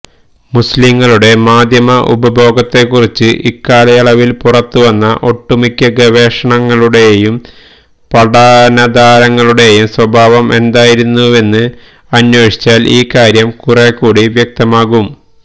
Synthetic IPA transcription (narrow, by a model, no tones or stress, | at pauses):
musliŋːɐɭuɽe̞maːd̪ʱjɐmɐʔṵbɐbʱo̞ːɡɐt̪ːe̞kːurit͡ɕːɨʔikːaːlɐjɐɭɐʋilpurɐt̪ːuʋɐnːɐʔo̞ʈːumikʲːɐɡɐʋe̞ːʂɐɳɐŋːɐɭuɽe̞jum | pɐɽaːnɐd̪aːɾɐŋːɐɭuɽe̞jumswɐbʱaːʋɐmʔe̞nd̪aːjiɾunːue̞nːɨ | ɐnjo̞ːʂi̥t͡ɕːaːlʔiːkaːɾjɐmkurekːuːɽiʋjɐk̚t̪ɐmaːɣum